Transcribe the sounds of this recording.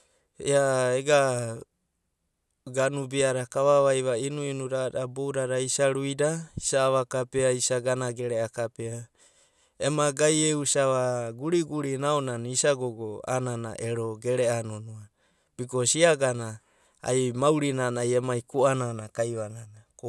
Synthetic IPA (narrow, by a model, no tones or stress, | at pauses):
eaeɡa | ɡanubiaɾakaβaβajβainuinuɾadabowɾaɾaisaɾuidaisaːβakapeaisaɡanaɡe̞ɾeakapea | emaɡajeusaβaɡuɾiɡuɾinaonanisaɡoɡoa̰nana̰ʔeɾo̞ɡe̞ɾe̞anonua | b̥ikosiaɡana | a̰jmawɾinanajemajkuananakajβananako